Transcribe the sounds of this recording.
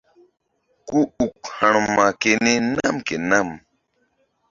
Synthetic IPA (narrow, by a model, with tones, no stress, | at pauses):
ku˦u˨kha˨ɳ̃ma˨ke˨ne˦na˦mke˨na˦m